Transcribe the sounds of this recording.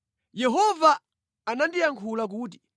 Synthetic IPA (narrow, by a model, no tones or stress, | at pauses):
jɛɦɔvaː | nandijaŋkʰulak̬uːt̬i̥